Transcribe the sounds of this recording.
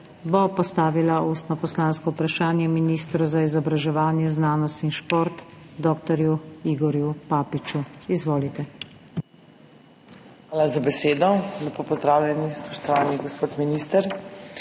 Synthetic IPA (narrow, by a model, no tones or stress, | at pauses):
bopɔst̪aːʋilauːst̪nɔpɔslanskɔupɾaʃaːnjɛminiːst̪ɾuzaizɔbɾaʒɛʋaːnjɛznaːnɔst̪inʃpoːɾt̪d̪ɔːkt̪ɔɾjuiɡɔɾjupaːpit͡ʃuizʋoːlit̪ɛ | xʋaːlazabɛseːd̪ɔlɛpoːpɔzd̪ɾaːwlʲɛnispɔʃt̪ɔʋaːniɡɔspoːt̪miniːst̪ɛɾ